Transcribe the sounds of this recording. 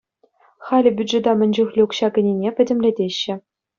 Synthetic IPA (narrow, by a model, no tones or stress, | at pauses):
χɑlʲɘ̆bʲyd̪ʐĕd̪ɑmʲɘ̆nʲd͡ʑuxlʲiukɕɑkʲɘ̆nʲenʲepʲɘ̆dʲɘ̆mʲlʲedʲeɕːɘ̆